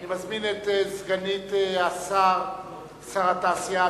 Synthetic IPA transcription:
nimazminɛtɛzɡanitasaʁ | saʁataːsia

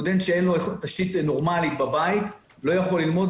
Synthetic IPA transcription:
d̪ent̪ʃeenloet̪aʃt̪it̪no̞ʁmalit̪babait̪ | lo̞jaχo̞lːilmo̞d

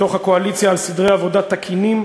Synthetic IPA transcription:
o̞χhakoalit͡sjaːlsid̪ʁejavo̞d̪at̪ːakʰinim

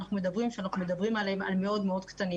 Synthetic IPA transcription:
naχnume̞d̪abʁimʃeanaχnume̞d̪abʁimalema̰lmeo̞d̪meo̞d̪kt̪ani

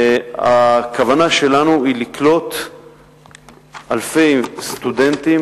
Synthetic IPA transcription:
a̰kavanaʃe̞lanuiliklo̞t̪ | alfe̞jst̪ud̪ent̪im

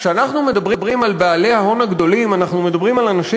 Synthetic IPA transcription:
kʃeanaχnume̞dabʁbʁimalbeale̞haɦo̞naɡd̪o̞limanaχnume̞d̪abʁimalanaʃi

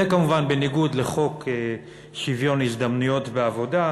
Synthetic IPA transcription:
ekamuvanbe̞niɡud̪le̞χo̞ke | ʃivjo̞nisd̪amnujo̞tbeavo̞da

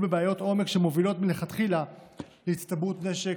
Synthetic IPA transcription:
bebeajo̞t̪o̞me̞kʃemo̞vilo̞tmileχat̪χila | leit̪st̪abut̪ne̞ʃe

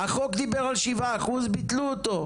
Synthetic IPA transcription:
aχo̞kd̪ibeʁalʃivaːχuzbit̪luot̪o̞

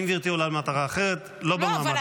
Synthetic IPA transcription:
mviʁt̪iolalmat̪aʁaːχeʁet̪lobamaːma

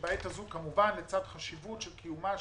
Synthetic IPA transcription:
baet̪azukamuvanlet͡sad̪χaʃivut̪ʃelkʰijuma

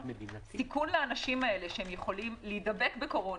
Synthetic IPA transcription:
tikunleanaʃimae̞le̞ʃehemjeχo̞limlijd̪abe̞kbeko̞ʁo̞

